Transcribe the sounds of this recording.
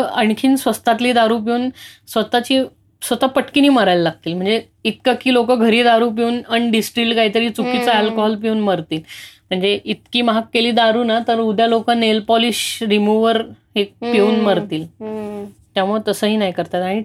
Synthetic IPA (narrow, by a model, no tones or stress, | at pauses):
əɳkʰiːnsʋəst̪at̪liːd̪aɾuːp̬euːnsʋət̪at͡ɕiː | sʋət̪apəʈkiniːməɾajlalaɡ̚t̪iːlm̤əɳd͡ze | it̪kakiːlokəɡʱəɾiːd̪aɾuːp̬iuːnəɳɖisʈɾiʈkaɦiːt̪əɾiːt͡sukit͡saelkoɦɔlp̬iuːnməɾt̪iːlm̤əɳd͡zeʔit̪kiːmaɦakːeliːd̪aɾuːnat̪əɾud̪ʱjalokənelpɔliɕɾimuʋəɾɦek̚peuːnməɾt̪iːl | t̪jamuɭet̪əsəːɦiːnajkəɾt̪at̪aɽ̃i